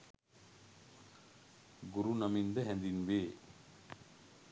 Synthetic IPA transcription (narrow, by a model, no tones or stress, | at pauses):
ɡuɾunamind̪əɦɛ̃nd̪inʋeː